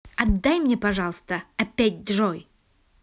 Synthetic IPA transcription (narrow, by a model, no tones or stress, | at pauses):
ɐd̪ːajmnʲɛpɐʐalˠst̪əapʲæt̚ʲd̪ʐɔj